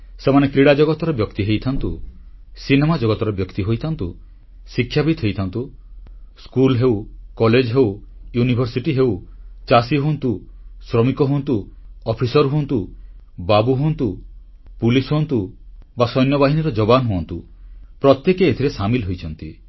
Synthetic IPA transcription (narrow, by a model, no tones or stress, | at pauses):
semanekɾiɽad͡ʒɔɡɔt̪ɔɾɔbjɔkt̪iɦejt̪ʰant̪usinemad͡ʒɔɡɔt̪ɔɾɔbjɔkt̪iɦojt̪ʰant̪u | sikʰːjabid̪ʰʱɦojt̪ʰant̪u | skulɦeuwkɔled͡ʒɔɦewjunibʱɔɾsiʈiɦewt͡ʃasiɦoɔnt̪usɾɔmikɔɦuɔnt̪uɔpʰisɔɾɦunt̪u | babuɦuɔnt̪u | pulisɦont̪ubasɔjnjɔbaɦiniɾɔd͡ʒɔbanɔɦuɔnt̪u | pɾɔt̪jekeet̪ʰiɾesamilɦojt͡ʃʰɔnt̪i